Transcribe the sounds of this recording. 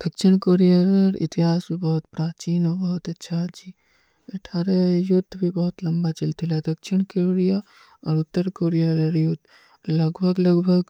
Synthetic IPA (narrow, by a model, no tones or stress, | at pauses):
d̪̥ɐkʃɪɽ̃koːɾijaɾəɾɪ̰t̪ɪɦaːsmĩbɔɦʊt̪pɾaːt͡ʃiːnɔːɾbɔɦʊt̪ɐtːʃʰad͡ʒi | ɐʈʰaːɾajʊd̪ʱːbʱibɔɦʊt̪lɐ̃mbat͡ʃɪlt̪ʰilad̪ɐkʃɪɽ̃keɾija | ɔːɾʊt̪ːəɾkoːɾijaɾəɾjʊd̪ | lɐɡbʱəɡlɐɡbʱəɡ